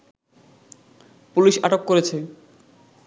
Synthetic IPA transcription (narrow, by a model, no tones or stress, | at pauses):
puliʃa̰ʈokːoɾet͡ɕʰe